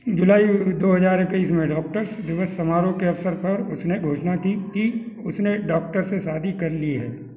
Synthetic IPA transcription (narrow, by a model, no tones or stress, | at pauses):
d͡ʒʊlaːid̪oːɦɐzaːɾɪkiːsmẽɖɔːk̚ʈəɾsd̪ɪʋəsːɐmaːɾõkeɐfsəɾpɐɾʊsneɡʱoːʃnakiki | ʊsneɖɔːk̚ʈəɾsesaːd̪ʱikɐɾliɦɛ̰ː